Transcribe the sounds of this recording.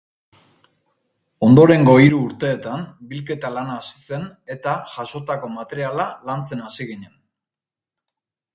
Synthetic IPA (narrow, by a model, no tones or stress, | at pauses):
o̞nd̪o̞ɾe̞ŋɡo̞iɾuːɾt̪e̞ːt̪ambilke̞t̪alanaːsi̥se̞ne̞t̪aʝaso̞t̪ako̞mat̪e̞ɾialalant͡se̞nasiɣ̞iɲe̞n